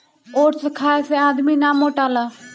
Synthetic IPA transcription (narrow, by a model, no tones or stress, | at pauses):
oːʈsəkʰaːeseaːd̪miːnãːmoːʈaːlaː